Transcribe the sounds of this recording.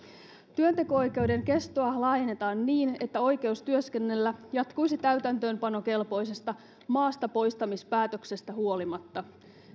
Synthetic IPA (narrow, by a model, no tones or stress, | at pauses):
t̪yønt̪e̞ko̞o̞jk̟e̞ude̞ŋke̞st̪oɑlɑːjnet̪ɑːnːiːne̞t̪ːæo̞jk̟e̞ust̪yøske̞nːe̞lːæjɑt̪kujsit̪æyt̪ænt̪ø̞ːmpɑno̞ke̞lpo̞js̬e̞st̪ɑ | mɑːst̪ɑpo̞jst̪ɑmispæːt̪ø̞kse̞st̪æɦuo̞limɑt̪ːɑ